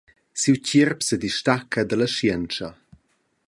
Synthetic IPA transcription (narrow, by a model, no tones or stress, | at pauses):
siwcirpsədiʃtakʰəd̪ələʃjɛnt͡ʃɐ